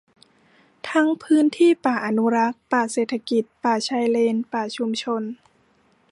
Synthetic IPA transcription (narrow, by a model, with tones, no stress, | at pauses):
t̪ʰa˧˥ŋpʰɯː˦˥nt̪ʰiː˥˩paː˨˩ʔa˧nu˧ɾa˦˥k̚paː˨˧˩seː˨˩t̪ʰa˧ki˨˩t̪̚paː˨˩t͡ɕʰa˧˥jleː˧npaː˨˩t͡ɕʰu˧mt͡ɕʰo˧n